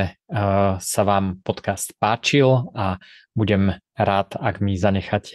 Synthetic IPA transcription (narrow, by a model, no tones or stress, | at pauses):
ɛ | saʋaːmpɔt̪kast̪paːt͡ʃila | buɟɛm | ɾaːt̪aɡmizaɲɛxac